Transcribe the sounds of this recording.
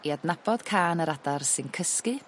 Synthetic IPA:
iadnab̥ɔd̥kʰaːnəɾadarsɨnkʰəskɨ

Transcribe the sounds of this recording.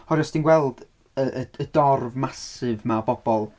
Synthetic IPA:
ɔɾɔsd̥inɡwɛlˠd̥ | əʔəədɔrvmasɨvmabɔbɔlˠ

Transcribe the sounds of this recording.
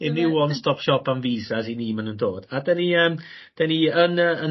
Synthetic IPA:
ɪnɪwɔnstɔpʃɔpʰanviːzasiniːmanundoːd̥adɛniəːm | d̥ɛniənəə

